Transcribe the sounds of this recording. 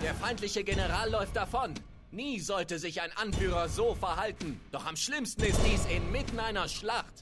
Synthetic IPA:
d̥eːɐfaɪntlɪçəɡenəʁaːlːɔʏft̚d̥afɔnː | iːzɔltəzɪçaɪnʔanfyːʁɐzoːfɛɐɦaltn̩d̥ɔχamʃlɪmstn̩ɪst̚d̥iːsɪnmɪtn̩ʔaɪnɐʃlaχt

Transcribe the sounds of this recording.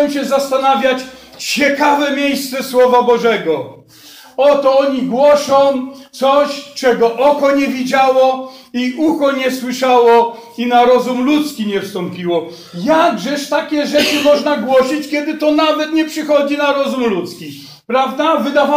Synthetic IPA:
w̃ɕɛzast̪anavʲjat͡ɕ | t͡ɕɛkavɛmʲjejst̪sɛswɔvabɔʐɛɡɔ | ɔt̪ɔɔɲiɡwɔʂɔ̃w̃t̪sɔɕt͡ʂɛɡɔʔɔkɔɲɛvʲid͡ʑawɔiʔuxɔɲɛswɘʂawɔ | inaɾɔzumlut̪skʲiɲɛfst̪ɔmpʲiwɔ | jaɡʐɛʂt̪akʲɛʐɛt͡ʂɘmɔʐnaɡwɔɕit͡ɕkʲɛd̪ɘt̪ɔnavɛt̪ɲɛpʂɘxɔd͡ʑinaɾɔzumlut̪skʲi | pɾavd̪avɘd̪ava

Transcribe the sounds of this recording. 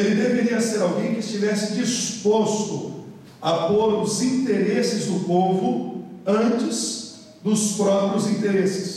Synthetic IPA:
elɪd̪eveɾiɐseɾawɡẽj̃kɪɪst͡ʃivɛsɪd͡ʒispost̪ʊ | apoɾʊzĩnt̪eɾesɪzd̪ʊpovʊɐ̃t͡ʃɪs | d̪ʊspɾɔpɾiʊzĩt̪eɾesɪs

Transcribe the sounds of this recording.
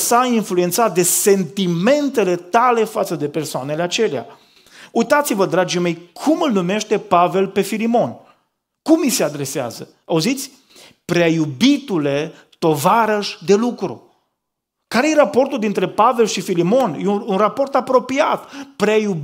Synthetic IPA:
sainflue̞nt̪sat̪̚d̪e̞se̞nt̪ime̞nt̪e̞le̞t̪ale̞fat̪səd̪e̞pe̞rsoane̞leat͡ʃe̞lea̰ | ujt̪at̪sivəd̪ɾad͡ʒime̞jkʰumɨlnume̞ʃt̪e̞pave̞lpe̞filimo̞n | kumise̞ad̪ɾe̞sea̰zə | auzit̪sʲ | pɾeajubit̪ule̞ | t̪o̞vaɾəʃʲd̪e̞lukɾṵ | kaɾejerapo̞rt̪uld̪int̪ɾe̞pave̞lʃifilimo̞njeunrapo̞rt̪apɾo̞piat̪pɾeaju

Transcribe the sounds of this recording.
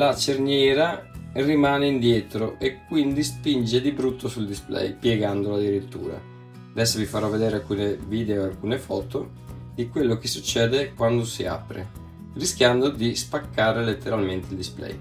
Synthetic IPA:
lat͡ʃerɲjɛːɾarimaːneind̪jɛːt̪ɾoʔekːwind̪ispind͡ʒed̪ibɾut̪ʰːosuld̪isplɛ̰jpjɛɡand̪olad̪iɾit̪ːṵːɾa̰ | ad̪ɛsːovifaɾɔvːed̪eːɾealkuːneviːd̪eoalkuːnefɔːt̪o | d̪ikwelːok̟esut͡ʃːɛːd̪ekwand̪osia̰pɾḛ | risk̟jand̪od̪ispakːaːɾelet̪ːeɾalment̪eild̪isplɛ̰j

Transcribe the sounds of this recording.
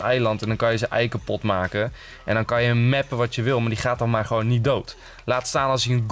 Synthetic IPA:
ɛjlɑntɛndɔnkɑnjəzənʔɛjkəpɔtmaːkə | ʔɛ̰ndɔnkɑnjəmɛpəʋɑtjəʋɪlˠmaːdiχaːt̚ɑnmaːrχəʋownːit̚dowt | laːtstaːnɑlˠsjəənɡ

